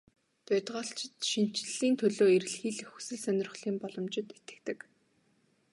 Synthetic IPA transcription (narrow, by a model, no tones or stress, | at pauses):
t̪ʊt̪ʁɔːɬt͡ɕɪ̆t̪ʃin̥t͡ɕɪ̆ɮiːnt̪ʰɵɮoːerɘ̆ɮxiːɮxɵsɘ̆ɮsœnʲɪ̆r̆χɮiːmpɔɮɞ̆mt͡ɕɪ̆t̪et̪ɘ̆kt̪ɘ̆k